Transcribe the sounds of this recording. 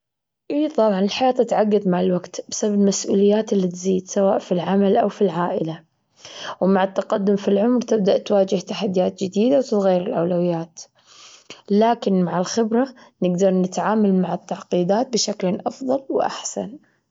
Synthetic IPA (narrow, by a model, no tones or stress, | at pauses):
ʔiːt̪ˤɑbʕɑnɪlħajaːt̪ːɪt̪ʕaɡːɑðˤmaʕɪlwaɡt̪bɪsababmasʔuːlɪjːaːt̪ɪlːit̪ziːd̪sawaːʔfilʕamalʔawfilʕaːʔɪla | wmaʕɪt̪ːaqad̪ːʊmfilʕʊmɾt̪ɪb̚d̪aʔt̪waːd͡ʒɪht̪aħad̪ːijaːt̪̚d͡ʒɪd̪iːd̪awt̪ɪsɣajːɾɪlʔa̰wlawɪjːaːt̪ | laːkɪnmaʕɪlxɪbɾanɪɡd̪ɑɾˤnɪt̪ʕaːmalmaʕɪt̪ːaʕqiːd̪aːt̪̚bɪʃaklʔɑfðˤɑlwʔa̰ħsa̰n